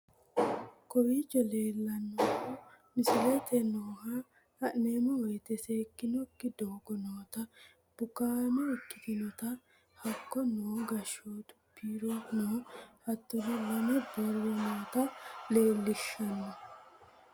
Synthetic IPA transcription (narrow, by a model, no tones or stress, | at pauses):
kɔjid͡ʒɛle̞ːlːɐnːɔmːɔmɪsɪlɛt̪ɛnoːha | hɐʔneːmɔwɔjt̪ɛseːkːɪnɔkːɪd̪oːɡɔnoːt̪ɐ | b̥ʊkaːmɔɛkːɪ̥t̪ɪnɔt̪ɐ | hɐkːɔnoːɡɐʃoːt̪ʊ̥pʰːiːɾɔnoːhɐt̪ːɔɦɔlɐnɛbɔɾwɛnoːt̪ɐle̞ːlːɪʃːɐnɔ